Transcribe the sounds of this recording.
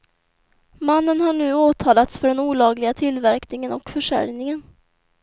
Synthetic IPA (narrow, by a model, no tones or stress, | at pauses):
manːənhaɳʉ̟ːoːt̪ʰɑːlat̪sfœɖɛnuːlɑːɡlɪɡat̪ʰɪlvæɾknɪŋənɔkfœʂæ̰ɾjnɪŋən